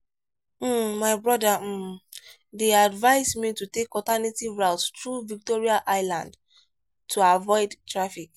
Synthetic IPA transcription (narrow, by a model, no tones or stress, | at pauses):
m̩maɪbɹɔda | deadvaɪzmitutekɔltanetivɹaʊttɹuvik̚tɔɹiaʔaɪlã̰nd | tʰuavɔɪdtɹafik